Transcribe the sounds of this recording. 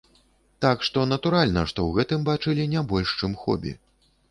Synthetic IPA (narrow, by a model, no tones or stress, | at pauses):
t̪akʂt̪ɔnɐt̪uɾalʲnɐʂt̪ɔwɣɛt̪ɨmbat͡ʂɨlʲinʲabɔlʲʂt͡ʂɨmxɔ̰bʲḭ